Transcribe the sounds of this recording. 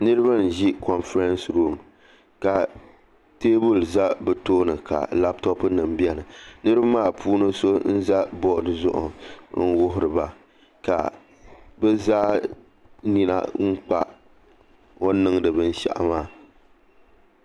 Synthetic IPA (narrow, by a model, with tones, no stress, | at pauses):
nɨ˦ɾɨ˦ba˦n̩˨ʒi˦kɔ˨nfɾa˦nsɾu˦˨m | ka˨ | teː˦bu˦˨lza˦bɨ˨toː˦nɨ˨ka̰˨la˦p̚tɔ˦pnɨ˨m˦bi˦a˨nɨ˨nɨ˦ɾɨ˦ba˦maː˦˨pʰuː˦nɨ˦so˦n̩˦za˦bɔ˦˨dɨ˨zʊ̰˦ʔʊ̰˨n̩˦wʊ˦ɦʊ˦ɾɨ˨ba˨ | ka̰˨ | bɛ˦zaː˦ | ni˨na̰˦ŋ͡m̩˦k͡pa̰˦ | o˦nɨ˦ŋdɨ˨bɨ˦n̩˦ʃa̰˨ʔa̰˨maː˦˨